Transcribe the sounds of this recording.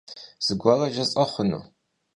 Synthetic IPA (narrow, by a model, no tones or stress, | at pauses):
z̥ɨɡʷɔrɐʒɐt͡sʼɐχʷʊnṵː